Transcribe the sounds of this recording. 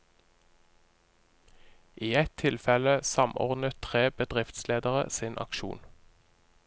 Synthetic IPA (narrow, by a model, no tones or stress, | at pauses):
ʔiːɛt̪ʰɪlfɛləsɑmɔ̰ʁd̪nət̪ʰʁeːbəd̪ʁɪft̪sleːd̪əʁə̰sinʔɑ̰kʃṵːn